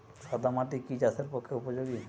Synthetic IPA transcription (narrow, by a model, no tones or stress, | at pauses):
ʃɔd̪amaʈikit͡ʃasʰeɾpɔkʰːeupod͡ʑoɡi